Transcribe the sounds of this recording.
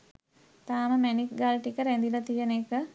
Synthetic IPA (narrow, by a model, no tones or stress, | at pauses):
t̪aːməmænik̚ɡalʈikəɾænd̪ilat̪ijənekə